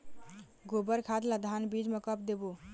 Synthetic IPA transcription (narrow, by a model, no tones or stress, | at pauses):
ɡobəɾkʰad̪lad̪ʱanbid͡ʒmekəpd̪ebo